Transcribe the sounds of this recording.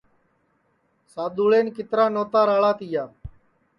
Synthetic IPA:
saːɗ̪uːɭeːnkɪt̪ɾaːnoːt̪aːɾaːɭaːt̪ijaː

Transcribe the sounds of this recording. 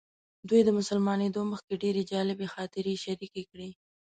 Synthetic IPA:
d̪wujd̪əmʊsəlmɑned̪oməxkeɖeɾed͡ʒɑlɪbexɑt̪ɪɾeʃaɾikekɽi

